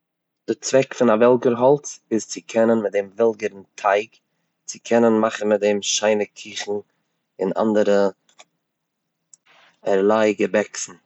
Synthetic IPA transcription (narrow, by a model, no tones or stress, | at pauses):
d̥ɪɾt͡svɛkfɪnavɛlˠɡəɾɦɔlˠt͡sɪzt͡sɪkʰɛnənmɪt̚dɛmvɛlˠɡəɾn̩tʰaɪk | t͡sɪkʰɛnənmaχn̩mɪt̚dɛmʃaɪnəkʰiːχn̩ | ɪna̰ndəɾə | ɛɾlˠaɪɡəbɛksn̩